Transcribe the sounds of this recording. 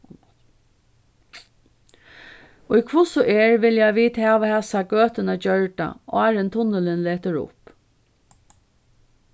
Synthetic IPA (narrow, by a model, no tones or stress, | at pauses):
ʊjkʰʋʊsʊʔɛɹʋɪljajʋiːd̪hɛːʋahɛsaɡøːt̪ɪnad͡ʒœɹɖa̰ʔaːɾɪnt̪ʰʊnəlɪnleːt̪əɹʊ̰p